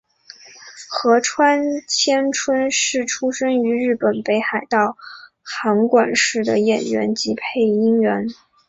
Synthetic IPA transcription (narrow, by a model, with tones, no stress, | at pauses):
xɤ˧˥ʈ͡ʂʰwa˥nt͡ɕʰjɛ˥nʈ͡ʂʰwə˥nʂɻ̩˥˩ʈ͡ʂʰu˥ʂɤ˥ŋy˧˥ɻɻ̩˥˩pə˨˩npe˧˥ɪxa˨˩ɪt̪ɑ˥˩ʊ | xa˧˥ŋkwa˨˩nʂɻ̩˥˩d̪ə̰˩jɛ˨˩nɥɛ̰˧˥nt͡ɕi˧˥pʰe˥˩ɪi˥ŋɥɛ˧˥n